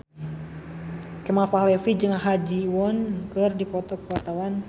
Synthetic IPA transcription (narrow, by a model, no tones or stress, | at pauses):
kɛmafaɦlɛfid͡ʒɨŋaɦad͡ʒiwɔnkɨrdipɔt̪ɔkpəat̪awan